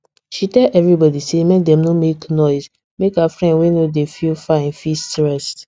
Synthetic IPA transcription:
ʃitɛlʔɛvɹibɔdisemɛk̚dɛ̃mnõmeknɔɪz | mekhafɹɛ̃ndwenodefilfaɛ̃nfistɹɛst

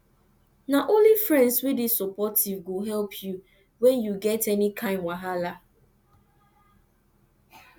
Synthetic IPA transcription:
naʔõnlifɾɛ̃ndswidɪsɔpɔtʰivɡoɦɛlpʰju | wɛ̃njuɡɛtɛnikʰãɪ̃mwaɦala

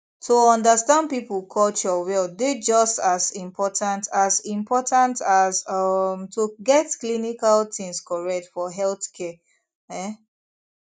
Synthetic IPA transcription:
tʰoɔ̃ndəstãnd̚pipl̩ˠkʰɔlt͡ʃɔwɛlded͡ʒɔstazĩmpʰɔtãntʰazĩmpʰɔtãntazʌmtʰuɡɛtklinikaltĩŋskɔɹɛk̚tfɔɦɛlθkʰɛ | ɛ

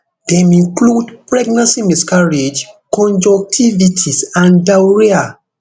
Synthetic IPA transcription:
d̥ɛ̃mĩŋkludpɹɛɡnãnsimiskaɹed͡ʒkɔ̃nd͡ʒɔk̚tʰivitʰisãndawɹia

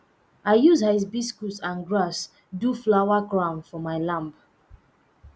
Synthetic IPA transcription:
aɪjuzhaɪs̬biskutsãnɡɹas | duflawakɹãnfɔmaɪlãmp

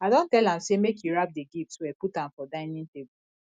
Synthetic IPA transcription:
adɔ̃ntɛlãmsemekʰjuɹap̚deɡiftswɛputãmfɔdãɪnĩntebu

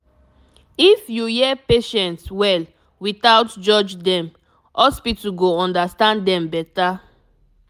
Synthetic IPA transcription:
ifjujɛpeʃɛ̃ntswɛl | witawtd͡ʒɔd͡ʒdɛ̃m | ɔspituɡoɔ̃ndastãnddɛ̃mbɛta

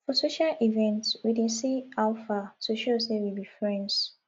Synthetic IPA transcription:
fɔsoʃaʔivɛ̃ntwidĩnsiaʊfatʰuʃosewibifɹɛ̃nds

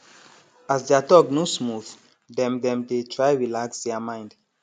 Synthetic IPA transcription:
asdeatɔk̚nosmuθ | dɛ̃mdɛ̃mdetʰɹajɹilaksdɛamãɪ̃nd

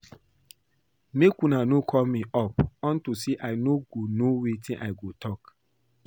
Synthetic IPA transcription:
mekunanokʰɔmĩʔɔpɔ̃ntuseʔaɪnoɡonowitʰĩnʔa̰ɪɡotʰɔk

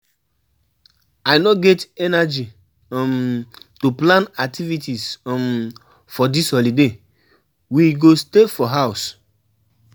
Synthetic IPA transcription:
ajnɔɡɛtɛnad͡ʒi | mtuplãnak̚tivitism | fɔdishɔlide | wiɡostefɔɦaʊs

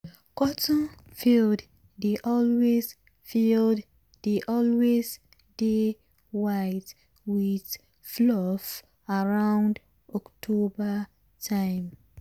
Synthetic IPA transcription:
kɔtnfild | deʔɔlwez | fild | deʔɔlwez | de | waɪt | wiθ | flɔf | aɹãʊ̃nd | ɔktʰoba | tʰãɪ̃m

